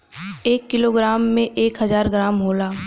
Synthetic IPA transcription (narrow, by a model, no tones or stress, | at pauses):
eːkːɪloːɡɾaːmːẽʔeːkɦɐzaːɾɡɾaːmɦoːlaː